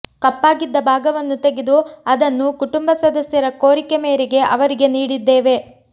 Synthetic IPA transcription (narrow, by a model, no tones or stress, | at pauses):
kɐpːaːɡid̪ːɐbʱaːɡɐʋɐnːut̪eɡed̪uɐd̪ɐnːukuʈumbɐsɐd̪ɐsjɐɾɐkoːɾikemeːɾiɡe̞ʔɐʋɐɾiɡe̞niːɽid̪ːe̞ːʋe̞